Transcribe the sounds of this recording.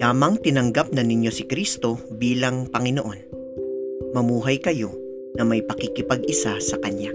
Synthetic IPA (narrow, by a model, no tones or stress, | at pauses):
aːmɐŋt̪ɪnɐŋɡap̚nɐnɪɲjo̞sɪkɾist̪o̞biːlɐŋpɐŋɪnoʔo̞n | mɐmuːɦɐjkɐjo̞ | nɐmɐjpɐkɪkɪpɐɡʔɪsasɐkɐɲja